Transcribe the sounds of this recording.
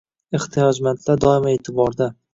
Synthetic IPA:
eχt̪ʰɪjɒd͡ʒmant̪ʰlaɾd̪ɒɪmae̞ːt̪ʰɪbɒɾd̪a

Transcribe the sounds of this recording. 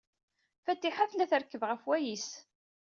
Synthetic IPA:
fæt̪ːiħaflæθəɾkːəvʁəfwæjis

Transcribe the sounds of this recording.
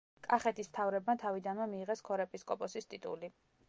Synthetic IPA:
kʼaχɛt̪ʰism̥t̪ʰavɾɛbmat̪ʰavid̪anmamiːʁɛskʰɔɾɛpʼiskʼɔpʼɔsist̪ʼit̪ʼṵli

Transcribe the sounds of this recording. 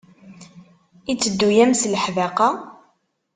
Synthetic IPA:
it͡sːəd̪ːujæmsləħðæqɑ

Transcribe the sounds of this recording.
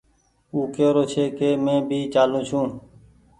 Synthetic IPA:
uːkeːɾoːt͡ʃʰeːkeːmẽːbʱiːt͡ʃaːlũːt͡ʃʰũː

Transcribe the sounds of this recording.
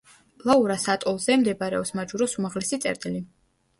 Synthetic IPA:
lˠauɾasat̪ʼɔlˠzɛmd̪ɛbaɾɛɔpsmad͡ʒuɾɔsumaʁlɛsit̪sʼɛ̰ɾt̪ʼili

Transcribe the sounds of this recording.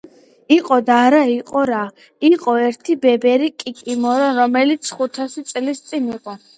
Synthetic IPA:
iqʼɔd̪aɾaiqʼɔɾa | iqʼɔɛɾt̪ʰibɛbɛɾikʼikʼimɔɾɔɾɔmɛlit̪sʰχut̪ʰasit̪sʼlist̪sʼiniqʼɔ

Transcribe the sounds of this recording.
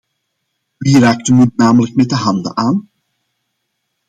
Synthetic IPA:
ʋiːraːk̚təmut̚naːmələk̚mɛt̚dəɦɑndə̰ʔaːn

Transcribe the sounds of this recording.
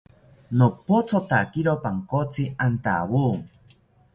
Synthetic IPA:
nopot͡sʰot̪akiɾopaŋkot͡sʰiant̪a̰wuːŋ

